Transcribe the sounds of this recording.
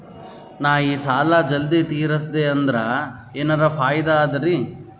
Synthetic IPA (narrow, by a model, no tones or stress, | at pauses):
naːjiːsaːlaːd͡ʒɐld̪it̪iːɾɐsd̪eɐnd̪ɐɾɐ | eːnɐɾɐpʰaːjd̪aːd̪ɐɾi